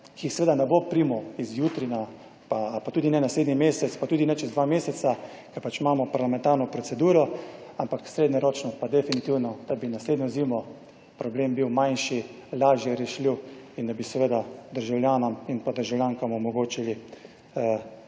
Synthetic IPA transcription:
kʰisɛʋeːd̪anɛbopɾiːmɔizjuːt̪ɾina | papat̪uːd̪inɛnasleːd̪nimeːsɛt̪spat̪uːd̪inɛt͡ʃɛzd̪ʋameːsɛsa | kɛpat͡ʃimaːmɔpaɾlamɛ̃nt̪aːɾnɔpɾɔt̪sɛd̪uːɾɔampaksɾeːd̪nɛɾoːt͡ʃnɔpad̪ɛfinit̪iwnɔd̪̥abinasleːd̪njɔziːmɔ | pɾɔbleːmbiwmajnʃi | laːʒjɛɾɛʃliwind̪abisɛʋeːd̪ad̪əɾʒawljaːnɔminpad̪əɾʒawljaːŋkamɔmɔɡoːt͡ʃili | ə

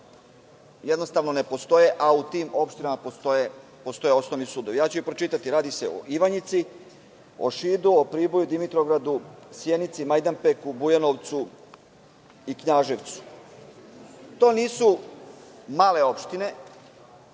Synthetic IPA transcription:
jed̪no̞st̪aʋno̞ne̞po̞st̪o̞jeʔaut̪iːmo̞pʃt̪inamapost̪oe | po̞st̪o̞je̞o̞snoʋnisuːd̪oʋjaːt͡ɕuipɾot͡ʃit̪at̪iɾaːd̪ise̞o̰ʔiʋaɲit̪si | o̰ʃiːd̪uopɾiːbo̞jud̪imit̪ɾoɡɾad̪usjenit̪simajd̪ampekubujanoʋt̪su | ikɲaːʒe̞ʋt̪su̥ | t̪o̞ːniːsu | maːle̞o̞pʃt̪ine̞

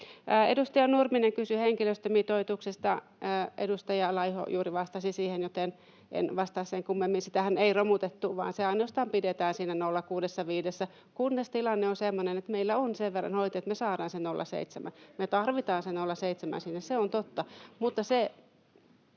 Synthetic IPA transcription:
edust̪ɑjɑnurmineŋkysyheŋkiløst̪ømiːt̪oit̪uksest̪ɑː | ḛdust̪ɑjɑlɑiho̰juːriʋɑst̪ɑsisiːhenjot̪en | ḛnʋɑst̪ɑsseŋkumːemːinsit̪æhæneiromut̪et̪ːuʋɑ̰ːnseɑinost̪ɑːmpidet̪æːnsiːnænolːɑkuːdesːɑʋiːdesːæ | kunːest̪ilɑnːeonsemːonenet̪meilːæonseʋʋerːɑ̰nhoit̪iet̪mesɑːɾɑːnsennolːɑ̰sḛit̪semæ̰nmet̪ɑrʋit̪ɑːnsennolːɑseit̪semæ̰nsinːesseont̪ot̪ːɑmut̪ːɑse

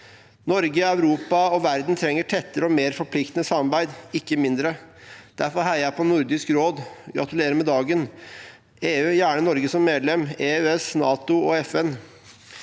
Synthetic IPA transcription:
nɔɾɡəɑʉɾuːpɑɔʋæɾd̪n̩t̪ʰɾɛŋːəʈʰɛt̪ːəɾəɔmeːɾfɔɾpʰlɪkt̪nəsɑmːɑɾbæɪd̪ɪkːəmɪnd̪ɾəd̪̥æɾfɔɾɦhæɪjæpʰɔnʊɾd̪ɪskɾoːd̪ɡɾʔɑ̰t̪ʉleːɾəmɛd̪ɑːɡən | eːʉːjæːɳənɔɾɡəsɔmːeːd̪lɛmeːøɛsnɑːt̪ʊɔɛfɛn

